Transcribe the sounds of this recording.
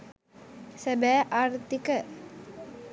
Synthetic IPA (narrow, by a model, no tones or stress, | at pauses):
sebæːʔaːrt̪ikə